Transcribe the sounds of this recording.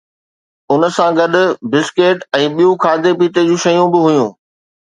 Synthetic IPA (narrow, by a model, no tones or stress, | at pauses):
ʊn̆sãɡɐɗʊ̆bɪskeːʈɛ̃ːɓijũkʰaːd̪epiːt̪ed͡ʑũːʃɐjũbɪɦʊjũː